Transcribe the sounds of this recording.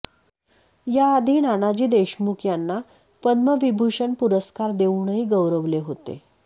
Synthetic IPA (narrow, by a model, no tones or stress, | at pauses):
jaːd̪ʱiːnanad͡ʑiːd̪eɕmukʰjanːa | pəd̪məʋibʱuʂəɳpuɾəskaɾd̪eʋɳəɦiːɡəwɾəʋleɦot̪ḛ